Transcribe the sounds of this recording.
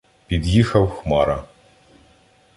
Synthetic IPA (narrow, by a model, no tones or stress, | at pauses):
pʲid̪jixɐwxmɑɾɐ